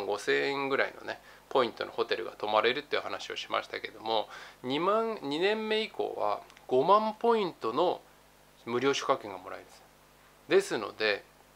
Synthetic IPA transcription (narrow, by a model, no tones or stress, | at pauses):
ɡo̞sẽẽŋɡɯ̟ɾaḭno̞̰ne̞ | po̞ĩnt̪o̞̰no̞̰ho̞t̪e̞ɾɯ̟ɡa̰t̪o̞maɾe̞ɾɯ̟t̪ːoeiɯ̟hanaɕioɕi̥ma̰ɕi̥t̪ake̞d̪o̞mo̞ɲimãŋɲinẽ̞mːe̞ikʰo̞̰ːβa̰ɡ̥o̞mãmpo̞ĩnt̪o̞no̞ | mɯ̟ɾʲjo̞ːɕo̥kakːẽ̞ŋɡamo̞ɾa̰id̪asɨ̥ | d̪e̞sɨno̞̰d̪e̞